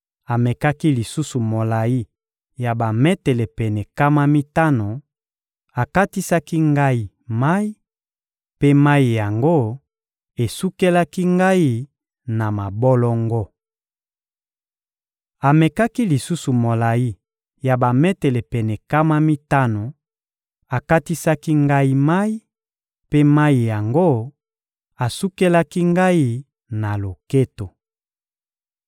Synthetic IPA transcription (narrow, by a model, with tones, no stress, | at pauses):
a˨mɛ˨ka˦ki˦li˨su˦su˨mo˨la˨ji˦ | ja˨ba˨mɛ˦tɛ˨lɛ˨pɛ˨nɛ˨ka˦ma˦mi˦ta˦no˨ | a˨ka˦ti˦sa˦ki˦ŋɡa˦i˦ | ma˦i˦ | pe˦ma˦i˨ja˨ŋɡo˦ | e˨su˦ke˦la˦ki˦ŋɡa˦ji˦ | na˨ma˨bɔ˦lɔ˦ŋɡo˦ | a˨me˨ka˦ki˦li˨su˦su˨mo˨la˨ji˦ | ja˨ba˨mɛ˦te˨le˨pɛ˨nɛ˨ka˦ma˦mi˦ta˦no˨ | a˨ka˦ti˦sa˦ki˦ŋɡa˦i˦ma˦i˦ | pe˦ma˦ji˨ja˨ŋɡo˦ | a˨su˦ke˦la˦ki˦ŋɡa˦i˦ | na˨lo˨ke˦to˨